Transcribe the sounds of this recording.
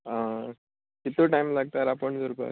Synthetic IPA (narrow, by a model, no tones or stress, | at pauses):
ã | kit̪ːuʈajmlaɡ̚t̪aɾapəɳd͡zəɾubʱa̰